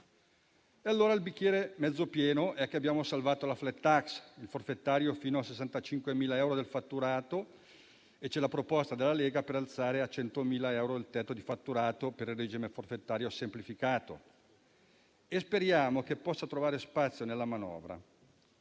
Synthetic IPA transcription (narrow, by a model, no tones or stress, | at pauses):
ealːoːɾailbikːjɛːɾemɛd̪zːopjɛːnoʔɛkːeabjaːmosalvaːt̪olaflɛt̪ːaksilforfet̪ːaːɾjofiːnoasesːant̪at͡ʃiŋkwemiːlaɛwɾod̪elfat̪ːuɾaːt̪o | et͡ʃːɛlapɾopɔst̪ad̪elːaleːɡapeɾalt̪saːɾeat͡ʃɛnt̪omiːlaɛwɾoilt̪ɛt̪ːod̪ifat̪ːuɾaːt̪opeɾilrːed͡ʒimeforfet̪ːaːɾjosemplifikaːt̪o̰ | espeɾjaːmokepːɔsːat̪ɾovaːɾespat̪sːjonelːamanɔ̰ːvɾa̰